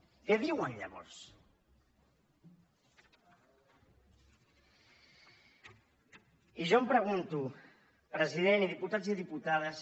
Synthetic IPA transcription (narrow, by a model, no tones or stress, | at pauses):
kɛðiwənʎa̰βɔ̰ɾs | iʒɔmpɾəɣ̞unt̪u | pɾəziðeniðiput̪ad͡zziðiput̪aðəs